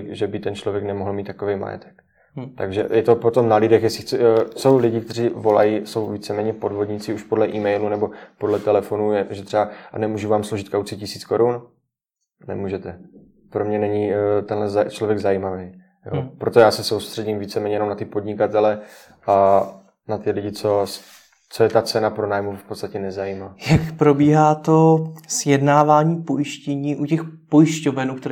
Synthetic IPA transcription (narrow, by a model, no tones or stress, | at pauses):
ʒɛbɪt̪ɛnt͡ʃlovjɛknɛmoɦl̩miːt̪ːḁkovejma̰jɛ̰t̪ʰɛ̥k | t̪aɡʒɛ̰jɛt̪o̞po̞t̪o̞mnalɪdɛxjɛsɪxt͡sso̞wlɪɟɪkt̪ɛriːvo̞la̰jiso̞wviːt͡sɛmɛːɲɛpo̞dvo̞dɲɪt͡sɪuʃpo̞dlɛʔiːmɛjlunɛbo̞po̞dlɛt̪ɛlɛfo̞nujɛʒɛt̪r̥ɛanɛmuːʒuvaːmsloʒɪt̪kawt͡sɪcɪsiːt͡sko̞ɾun | nɛ̰muːʒɛt̪ɛ | pɾo̞mɲɛnɛɲit̪ɛnlɛzat͡ʃlovjɛɡzajiːmavej | jopɾo̞t̪ojaːsɛso̞wst̪r̥ɛɟimviːt͡sɛmɛːɲɛjɛnomnat̪ɪpo̞dɲɪkat̪ɛlɛ | ʔa | nat̪ɪlɪɟɪt͡so̞s | t͡so̞jɛt̪at͡sɛnapɾonaːjmufpott͡st̪acɛnɛzajiːmaːjakpɾo̞biːɦaːt̪osjɛdnaːvaːɲiːpo̞jɪʃcɛɲiːʔucɛxpojɪʃcovɛnuːkt̪ɛ